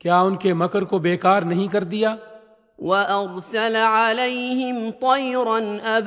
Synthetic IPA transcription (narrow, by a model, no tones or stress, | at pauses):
kjaːʊnkemɐkəɾkobeːkaːɾnɐɦĩkɐɾd̪ijaː | waʔɑɾˤsalʕalajɦɪmt̪ˤɑjɾɑnʔab